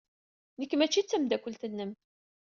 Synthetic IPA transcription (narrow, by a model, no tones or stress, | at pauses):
nəkːmæt͡ʃːit͡sːəmd̪ækʷːəlt̪ənːəm